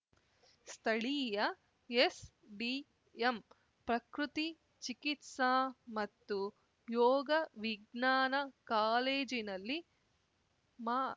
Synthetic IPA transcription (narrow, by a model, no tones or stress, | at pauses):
st̪ʰɐɭiːjɐ | es | ɖi | em | pɾɐkɾut̪i | t͡ʃikit̪saːmɐt̪ːu | jɔːɡɐʋiɡnaːnɐkaːleːd͡ʒinɐlːi | maː